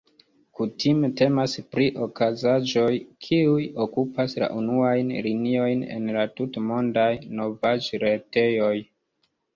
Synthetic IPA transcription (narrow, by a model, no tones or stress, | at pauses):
kutʰimete̞maspɾiʔo̞kazaʒo̞jkʰiujo̞kupasla̰ʔunuajnlinio̞jne̞̰nlatutmo̞ndajno̞vad͡ʒɾe̞te̞jo̞j